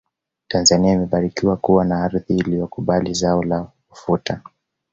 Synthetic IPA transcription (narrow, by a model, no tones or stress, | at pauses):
tanzaniaimɛɓaɾikiwakuwanaaɾðiːlijɔkuɓalizaɔla | ufuta